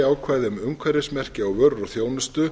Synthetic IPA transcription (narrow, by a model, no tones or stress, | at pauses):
aːwkʰvajðɪʏmʏmkkʰvaɾɪsmɛr̥cɪawvœɾːɔɣθjoːwnʏst̪ʏ